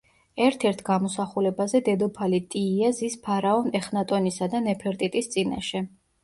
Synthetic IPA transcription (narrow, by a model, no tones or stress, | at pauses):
ɛɾt̪ʰɛɾt̪ʰɡamɔsaχulɛbazɛd̪ɛd̪ɔpʰalit̪ʼiːazispʰaɾaɔnɛχnat̪ʼɔnisad̪anɛpʰɛɾt̪ʼit̪ʼist̪sʼina̰ʃɛ